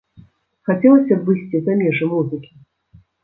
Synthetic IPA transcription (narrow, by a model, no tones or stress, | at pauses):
xat͡sʲɛlˠɐsʲɐbvɨsʲt͡sʲizamʲɛʐɨmuzɨkʲi̥